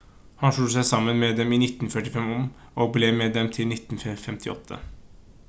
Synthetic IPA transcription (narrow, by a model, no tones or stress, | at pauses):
hɑnʂɭuːəsæɪsɑmːənmɛd̪ɛmiːnɪt̪ːnfœʈɪfɛmɔmʔoːɡblɛːmɛd̪ɛmt̪ʰɪlnɪt̪ːnfɛfɛmt̪ʰɪɔ̰t̪ʰːə̰